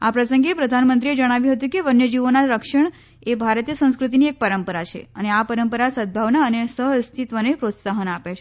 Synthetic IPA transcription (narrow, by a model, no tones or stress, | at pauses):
apɾəsəŋɡepɾəd̪ʱanmənt̪ɾied͡ʒəɽ̃aʋjũɦət̪ũkeʋənjəd͡ʒiʋonaɾəkʃəɳ | ebʱaɾt̪ijəsə̃w̃skɾut̪̬iniek̚pəɾəmpəɾat͡ʃʰḛəneapəɾəmpəɾasəd̪̚bʱaʋnaənesəɦst̪ʰit̪ʋənepɾot̪saɦənapet͡ʃʰe